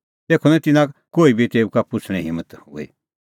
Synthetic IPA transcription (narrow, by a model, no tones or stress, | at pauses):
t̪eːkʰonɛ̃t̪ɪnãkoːibʱit̪eːukapʊt͡sʰɽ̃ɛ̃ɦɪ̃mːət̪hṵḛ